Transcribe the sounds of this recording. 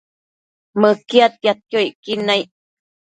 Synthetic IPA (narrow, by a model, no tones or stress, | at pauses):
məkiat̪̚jat̪̚joiʔkinãjʔ